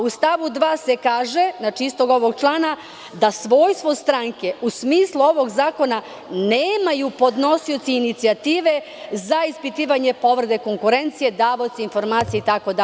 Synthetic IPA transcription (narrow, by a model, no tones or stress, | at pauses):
ust̪aʋud̪ʋaːse̞kaːʒe̞nat͡ʃiist̪o̞ɡo̞ʋo̞ɡt͡ʃlˠaːna | d̪asʋo̞jst̪ʋo̞st̪ɾaŋke̞usmiːslˠuo̞ʋo̞ɡzaːko̞na | neːmajupo̞d̪no̞siot̪siːnit̪siat̪iːʋe̞ | zaispit̪iːʋaɲe̞po̞ʋɾed̪eko̞ŋkuɾe̞nt̪sije̞d̪aːʋot̪siinfo̞ɾmaːt̪sieit̪ako̞d̪a